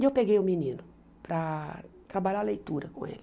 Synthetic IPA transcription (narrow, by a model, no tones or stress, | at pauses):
ewpeɡejuminĩnʊ | pɾɐt̪ɾabaʎalejt̪uɾɐkõ̰ḛli